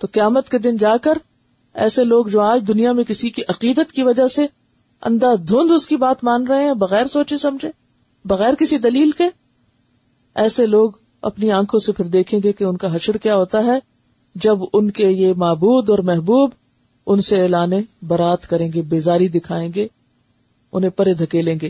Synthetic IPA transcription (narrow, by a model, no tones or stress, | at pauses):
t̪oːqɪjaːmət̪ked̪ɪnd͡ʒaːkəɾ | ɛ̰ːseloːɡd͡ʒoːaːd͡ʒd̪ʊnijamẽkɪsikiʔɐqiːd̪ət̪kiʋɐd͡ʒase | ɐ̰̃nd̪aːd̪ʱʊ̃ːnd̪ʊskibaːt̪mãːnɾɐɦẽɦɛ̃bɐɣɛːɾsoːt͡ʃẽsɐmd͡ʒʱẽː | bɐɣɛːɾkɪsid̪ɐliːlke | ɛːseloːɡ | ɐ̰pniãːkʰõsepʰɪɾd̪eːkʰẽːŋɡekeʊnkaɦɐʃəɽkjaːɦoːt̪aɦɛ | d͡ʒɐbʊnkejemaːbuːd̪ɔːɾmɛɦbuːb | ʊnseeːlaːnebɐɾaːt̪kɐɾẽːŋɡebeːzaːɾid̪ɪkʰaːẽːŋɡe | ʊ̰n̤ẽpɐɾed̪ʱɐkelẽːŋɡeː